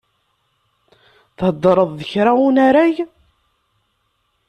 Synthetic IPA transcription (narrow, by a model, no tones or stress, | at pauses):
θhəd̪ˤːɾˤəðˤðəçɾaunaɾæʝ